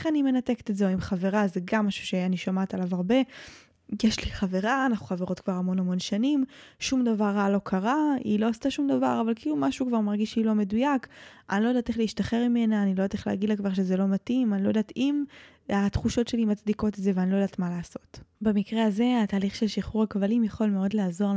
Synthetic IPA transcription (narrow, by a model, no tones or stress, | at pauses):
eχanime̞nate̞ke̥t̪etzeoimχave̞ʁazeɡamːaʃu̥ʃeajaniʃomatalavaʁbe̞ | jeʃliχave̞ʁaːnaχu̥χaveʁo̞tkvaʁamo̞namo̞nʃanimʃumdavaʁːalo̞kʰaʁaḭlo̞astaʃumd̪ava̰ʁavalkiiːlumaʃukvaʁmaʁɡiʃilo̞me̞dujakʔa̰nilojdateχleiʃtaχe̞ʁmime̞naːnilo̞jateleaɡidlakvaʁʃezelo̞matimanilojdatim | atχuʃo̞tʃe̞limat͡sdiko̞tezeveanilo̞jdat̪malaːso̞tbemikʁeaze̞ataːliχʃelʃiχuʁakvalimjaχo̞lmeo̞dleazo̞ʁ